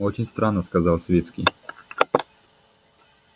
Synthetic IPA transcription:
ot͡ɕɪnʲst̪ɾanːəskɐzalˠsʲvʲet̪skʲij

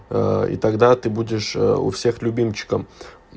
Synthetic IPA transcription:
ḭt̪ɐɡd̪at̪ɨbudʲɪʂʊ̰fsʲexlʲʊbʲimt͡ɕɪ̥kəm

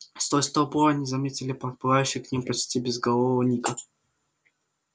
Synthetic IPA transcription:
st̪ojst̪əvəpoɾɐnʲizɐmʲetʲɪlʲɪpɾʲɪt̪̚pɨvajʉɕːɪjknʲimpɐt͡ɕtʲibʲɪzɡɐlˠovvənʲikə

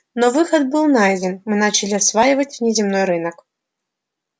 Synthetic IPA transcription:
nɔvɨxɐd̪̚bɨlˠnajdʲɛnmɨnat͡ɕɐlʲiɐsvajɪvɐtʲvnʲɛzʲimnɔjɾɨnɐk

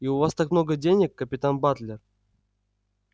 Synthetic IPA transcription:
iʊvast̪akmno̞ɡədʲenʲɪkːəpʲɪt̪anbat̪lʲɪr

